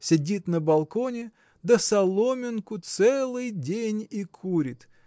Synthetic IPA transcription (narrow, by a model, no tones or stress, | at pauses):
sʲɪdʲit̪nəbɐlˠkonʲɪ | d̪əsɐlˠomʲɪnkʊt̪sɛlˠɨjdʲenʲikʰuɾʲɪt̪